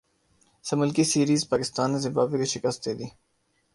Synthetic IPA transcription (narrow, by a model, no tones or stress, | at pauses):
səmʊlkisiːɾiːzpaːkɪst̪ɑːnezɪmbɑːbekeʃɪkɐst̪d̪eːd̪i